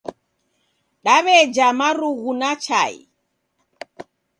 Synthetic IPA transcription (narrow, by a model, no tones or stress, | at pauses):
ɗaβɛd͡ʒamaɾuɣunat͡ʃa̰ḭ